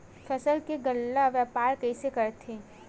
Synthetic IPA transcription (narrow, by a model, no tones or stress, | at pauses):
fʰɛsəlkeɡəlːaʋjaːpaːɾkɛisekɐɾt̪ʰẽː